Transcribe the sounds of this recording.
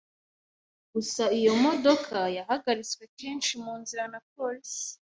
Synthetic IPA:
ɡ̥usaijo̞mo̞do̞kʰajaɦaɡaɾit͡swe̞kʰe̞ːnʃimuːnziɾanapols

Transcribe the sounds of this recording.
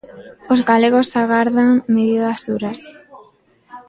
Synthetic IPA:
ozɣaleɣosaɣaɾðaŋmeðiðazðuɾas

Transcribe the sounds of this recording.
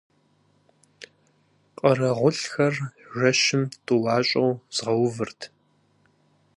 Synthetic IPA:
qʼɐrɐʁʷʊɬxɐrʒɐʃɪmtʼuwɑːɕʼɐwz̥ʁɐwvɨrtʰ

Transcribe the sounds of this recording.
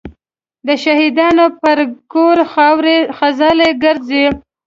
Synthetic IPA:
d̪əʃahid̪ɑnopəɾkoɾxɑwɾexazɑleɡəɾze

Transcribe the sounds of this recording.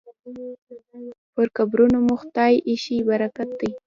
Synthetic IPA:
pəɾkabɾunomʊxt̪ɑjʔiʃibaɾakat̪̚d̪əj

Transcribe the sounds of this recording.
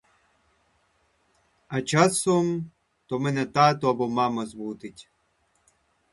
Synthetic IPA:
ɐt͡ʃasɔm | t̪ɔmɛnɛt̪aːt̪ɔɐbɔmamɐzbut̪ɪtʲ

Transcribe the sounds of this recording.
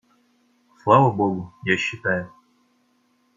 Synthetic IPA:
slˠavəboɡʊjaɕːɪt̪ajʊ

